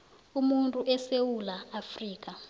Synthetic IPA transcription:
umuntʼuʔɛsewulaːfriːk̬ʼa

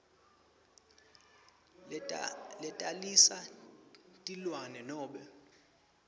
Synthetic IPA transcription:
lɛtʼalisa | tʼilwanɛnɔːɓɛ

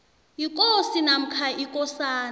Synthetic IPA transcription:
jikʼosinam̩kʰaʔikʼɔsaːn

